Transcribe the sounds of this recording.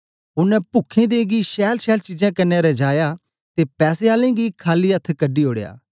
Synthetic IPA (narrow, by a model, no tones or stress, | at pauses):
ʊnɛ̃ːpʊkʰẽːd̪eːɡiːʃɛːlʃɛːlt͡ʃid͡ʒãːkɐnːɛ̃ɾɛːd͡ʒaːjaː | t̪eːpɛːseːaːlẽːɡiːkʰaːliːət̪ʰkəɖiːɦoːɽeja̰ː